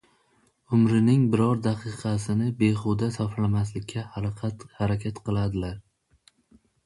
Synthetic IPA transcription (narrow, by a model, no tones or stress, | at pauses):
ʊmɾɪnɪŋbɪɾɒɾd̪ɑqʰɨqʰɑsɪnɪbe̞χʊd̪asɒflamaslɪkʲʰːahaqʰt̪haɾakʲʰat̪qʰɨlˠad̪ɪlaɾ